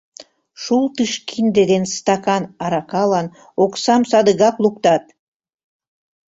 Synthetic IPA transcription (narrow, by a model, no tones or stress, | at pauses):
ʃulˠt̪ɨʃkind̪ed̪enst̪ɑkɑnɑɾɑkɑlɑn | oksɑmsɑd̪əɣɑklˠuk̚t̪ɑt̪̚